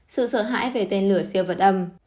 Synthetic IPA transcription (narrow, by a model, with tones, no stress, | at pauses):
sɨ̰˧˨səː˧˩ɦa̰ː˧˥˨jve˨˩t̪e˧nlɨ˧˩əsi˧əvə˨˩t̚ʔə˧m